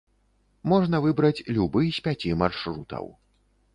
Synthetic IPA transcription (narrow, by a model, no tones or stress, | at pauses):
mɔʐn̪ɐvɨbɾɐt͡sʲlʲubɨsʲpʲat͡sʲimarʂɾut̪ɐ̰w